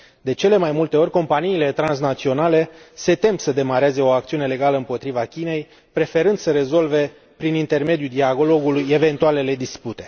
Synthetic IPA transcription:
d̪e̞t͡ʃe̞le̞majmult̪e̞o̞rʲko̞mpaniːle̞t̪ɾans̬nat̪sio̞nale̞se̞t̪e̞msəd̪e̞maɾeaze̞o̞ak̚t̪siune̞le̞ɡaləɨmpo̞t̪ɾivakʲine̞j | pɾe̞fe̞ɾɨnd̪səɾe̞zo̞lve̞ | pɾinint̪e̞rme̞d̪jud̪iaɡolo̞ɡuluje̞ve̞nt̪uale̞le̞d̪isput̪e̞̥

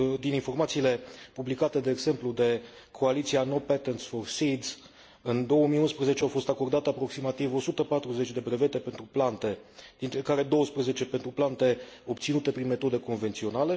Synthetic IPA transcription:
d̪ininfo̞rmat̪siːle̞publikat̪e̞d̪e̞ːɡz̥e̞mplud̪e̞ | kʰo̞alit̪siano̞pet̪ent̪sfo̞rsid̪z̥ | ɨnd̪o̞wəmijunspɾeze̞t͡ʃeawfo̞st̪ako̞rd̪at̪eapɾo̞ksimat̪ivo̞sut̪əpat̪ɾuze̞t͡ʃʲd̪e̞bɾe̞ve̞t̪e̞pe̞nt̪ɾuplant̪e̞d̪̥int̪ɾekaɾe̞d̪o̞wəspɾeze̞t͡ʃe̞pent̪ɾuplant̪e̞o̞bt̪sinut̪e̞pɾinme̞t̪o̞d̪e̞ko̞nve̞nt̪sio̞nale̞

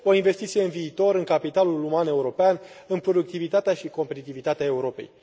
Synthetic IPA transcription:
o̞inve̞st̪it̪sijeɨnviːt̪o̞ɾɨŋkapit̪alulumane̞uɾo̞pean | ɨnpɾo̞d̪uk̚t̪ivit̪at̪eaʃiko̞mpe̞t̪it̪ivit̪at̪eae̞uɾo̞pe̞̰j

